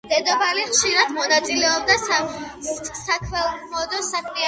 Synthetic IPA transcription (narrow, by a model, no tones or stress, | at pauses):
d̪̥ɛd̪ɔbaliχʃiɾad̪̥mɔnat̪sʼilɛɔb̚d̪asa | sakʰmɛmɔd̪ɔsakʰmia